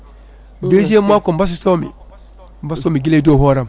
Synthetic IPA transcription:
dozemakombas̬tomḭ | m̩bastoːmiɡiledoːhoːɾam

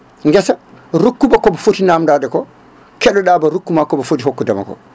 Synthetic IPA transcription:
ŋɡɛsaɾukːubakɔbɔfotinamdaːdɛkɔ | kɛɗɔɗaːbaɾukːumakɔbɔfotiɦokːudama̰kɔ̰

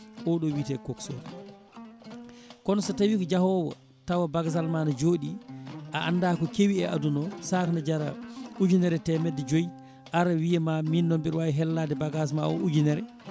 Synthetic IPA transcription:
ʔɔɗɔwitɛkɔkso̰ːd | kɔnɔsatawikɔd͡ʒahɔwɔ̰ | tawabaɡzalmanad͡ʒoːɗiʔaʔa̰ndaːkɔkewiɛʔadunɔsakanad͡ʒaɾa̰ud͡ʒunɛɾɛtɛmɛdɛd͡ʒoji | ʔaɾawijɛmaminːɔmbiɾwajiɦɛlːadɛbaɡas̬maɔ̰ʔud͡ʒunɛɾɛ

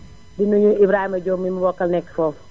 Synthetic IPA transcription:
dinuɲuibɾaːhimɐɟɔmːimubɔkːɐlnɛkːfɔf

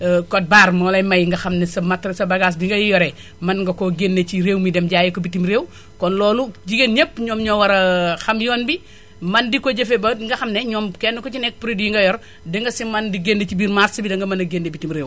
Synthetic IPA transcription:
kɔt̚baːrmɔːlɐjmɐjŋɡɐxɐmnɛsɐmɐtɾɐsɐbɐɡaːs̬biŋɡɐjjɔɾɛ | mɐnŋɡɐkoɡenːet͡ʃiɾewmidɛmɟaːjikɔbitimɾeːw | kɔnlɔːluɟiɡeɲepːɲɔːmɲɔwɐɾɐxɐmjɔːnbi | mɐndikɔɟɐfebɐŋɡɐxɐmnɛɲɔːmkɛnːukɔt͡ʃinɛk̚pɾidjiŋɡɐjɔɾ | dəŋɡɐsimɐndiɡendet͡ʃibiːɾmatsibidɐŋɡɐmɐnɐɡenːebitimɾeːw

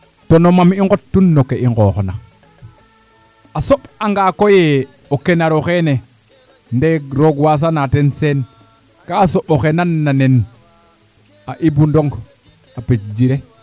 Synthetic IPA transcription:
tonomamiŋɡotːunːokeiŋɡoxona | asoɓaŋɡakoje | okenaɾoxene | ndeɾoɡwas̬anatensen | kasoɓoxenanːanen | aʔibundoŋɡ | apet͡ʃd͡ʒiɾe

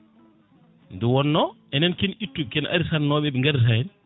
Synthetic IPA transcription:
ndɛwɔnːɔ | ɛnɛnkɛnjitːub̚kɛnʔa̰ɾisannɔɓɛɓɛŋɡaɾis̬ajɛn

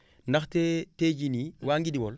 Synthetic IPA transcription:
ndaxteted͡ʒiniwaːŋɡidiwɔl

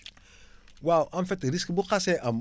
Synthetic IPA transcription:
wawʔanfetɾiskbuqaseʔam

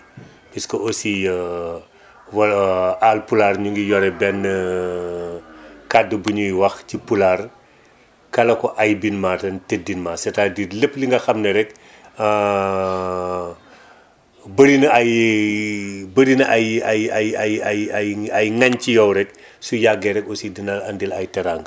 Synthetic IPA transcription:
piskɔosi | wɐlaːlpulaːrɲuŋɡijɔɾɛbɛnːə | kadːəbuɲujwɐxcipular | kɐlɐkɔʔɐjbinmaːtɐntedinmaːsɛtadirlepːliŋɡɐxɐmnɛɾɛkː | bəɾinɐaj | bəɾinʔajajajajajajɐjŋɐɲcijɔwɾɛk | sujaɡːɛɾɛkɔsidinɐlɐndilɐjtɐɾaːŋɡ

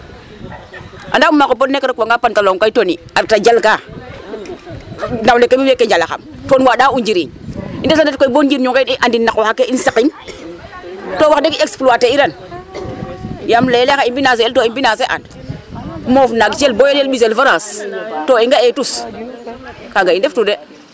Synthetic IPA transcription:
ʔandaumakopotnekːaɾakaŋɡapantaloŋkaitoniaɾtad͡ʒalka | nawnekemiwekːeɲd͡ʒalaxa̰mtonwaɗaund͡ʒiɾiindesandet̚koibond͡ʒiɾɲuŋkeniʔandinːakwaxakːeinsakin | towaxdekiekspluateiɾan | jamlelekaimbinas̬eeltoimbinaseʔa̰nd | mofnaɡt͡ʃelbojeljelɓis̬elvaɾastoiŋɡaetus | kaɡaindeftude

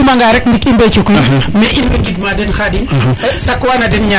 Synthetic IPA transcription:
umaŋɡaɾɛk̚ndikimbɛt͡ʃukumɛʔinwɛŋɡidmadɛnxadinsakːwaːnɐdɛnɲa

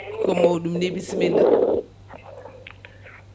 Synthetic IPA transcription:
kɔmowɗumnebisimina

